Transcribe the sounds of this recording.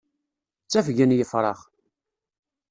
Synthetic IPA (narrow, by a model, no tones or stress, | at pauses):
t͡sːæfʝənjəfɾˤɑ̰χ